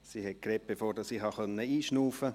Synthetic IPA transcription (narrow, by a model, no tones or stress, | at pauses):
siːhɛt̚kɾɛːp̚b̥efoːrdɑssiːɦɑχœnːəiːʃnuːfə